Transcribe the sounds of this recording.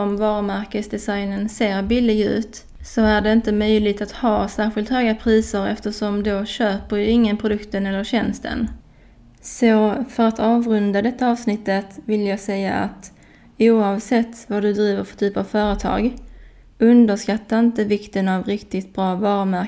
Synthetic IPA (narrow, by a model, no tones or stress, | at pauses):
ɔmvɑːɾəmæɾkəsd̪ɛsajnənseːɾbɪlːɪɡʉ̟ːt̪ | sɔæɖɛɪnt̪əmœjlɪɡt̪at̪hɑːsæːɾɧɪlt̪hœːɡapʰɾiːsəɾɛft̪əʂɔmd̪oɕøːpəɾjɪŋːənpʰɾʊd̪ɵkt̪ənɛlːəɾɕɛnst̪ʰə̰n | sɔfœɾat̪ʰɑːvɾɵnd̪ad̪ɛt̪ːaɑːvsnɪt̪ːət̪vɪljaɡsɛjːa̰ʔa̰t̪ | uːɑvsɛt̪ːvadɵd̪ɾiːvəɾfœ̥ʈ̪ʰyːpavfœːɾət̪ʰɑ̰ːɡ | ɵnd̪əʂkat̪ːaɪnt̪əvɪkt̪ənavɾɪkt̪ɪt̪̚bɾɑːvɑːɾəmæ